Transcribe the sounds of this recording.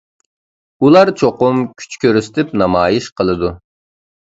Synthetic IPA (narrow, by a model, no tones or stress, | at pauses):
ulˠɑɾt͡ʃʰoqʊmkʲʰy̥t͡ʃkʲøɾyst̪ʰɪpnɑmɑːjiʃqʰəlˠɨd̪u